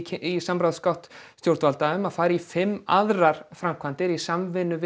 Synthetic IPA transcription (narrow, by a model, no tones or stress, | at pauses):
isampɾawðskawht̪st̪jowɾ̥t̪valt̪aʏmaðfaːjɾɪifɪmːaðɾaɾ̥fɾam̥kʰvant̪ɪɾisamvɪnʏv